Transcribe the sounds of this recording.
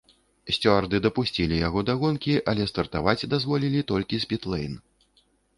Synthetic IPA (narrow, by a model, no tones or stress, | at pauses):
sʲt͡sʲɔrd̪ɨd̪ɐpusʲt͡sʲilʲijaɣɔd̪aɣɔnkʲiʔɐlʲɛst̪ɐrt̪avat͡sʲd̪azvɔlʲilʲit̪ɔlʲkʲisʲpʲit̪lˠɛjn